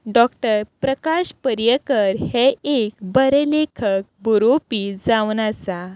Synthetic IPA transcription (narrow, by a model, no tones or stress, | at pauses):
ɖɔkʈəɾpɾəkaɕpəɾjəkəɾheekbəɾelekʰək̚buɾopiːd͡zaʋnat͡sa